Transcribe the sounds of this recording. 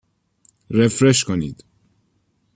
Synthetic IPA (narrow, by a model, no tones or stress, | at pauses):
ɾefɾeʃkʰoniːd̪̥